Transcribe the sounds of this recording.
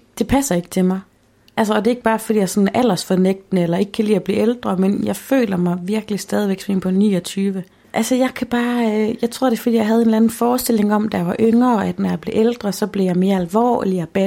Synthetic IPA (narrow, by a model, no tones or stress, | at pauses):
d̥e̝pʰæsɐe̝ɡ̥ət͡sʰe̝mɑ̈ɪ | ʔælsɐɒ̽d̥e̝e̝ɡ̥̚b̥ɑ̈ːfɒdḭːjaɪsɒ̽n̩ʔæl̰ɐsfɒneɡ̥̚d̥ənəelɐe̝ɡ̥ə̥kʰælḭːæb̥lḭːeld̥ʁɐmenjɑ̈ɪfø̰ːlɐmɑ̈ɪʋiɐɡ̥əlisd̥ɛːð̞ˠiʋeɡ̥sḛnpʰɒ̽nḭːɒ̽t͡sʰyːʋə | ʔælsəjɑ̈ɪkʰæb̥ɑ̈ːjɑ̈ɪt͡sʰʁo̝ð̰ˠd̥e̝fɒ̽d̥ḭːjäɪɦæð̞ˠe̝ːnlænn̩fɒːsd̥e̝le̝ŋɒ̽md̥æjɑ̈ʋɑ̈ʔøŋɐæd̥næjɑ̈ɪb̥le̝ʔeld̥ʁɐsɒ̽b̥le̝jɑ̈ɪme̝ːɐælʋɒ̰ːliæb̥æ